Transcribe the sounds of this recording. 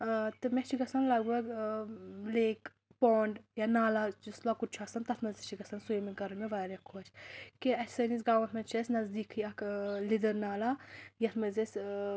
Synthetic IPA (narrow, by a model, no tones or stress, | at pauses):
t̪ɨmɛt͡ʃʰiɡɐsɐnlɐɡuɐɡ | leːk | poːɳɖjanaːlad͡ʒɐslaːkut̪̚t͡ʃʰuɐsɐnt̪ɐt̪mɐzɐt͡ʃʰiɡɐsɐnsujmiɡɐɾɨmeʋaːɾjɐkʰːot͡ʃʰkeɐt̪ʲsɐnis̬ɡaːwɐ̃nt̪ʰmɐnt͡ʃʰɐsʲnɐzd̪iːkʰɨɐklid̪ɐɾnaːlajɐt̪ʰmɐzɐsʲ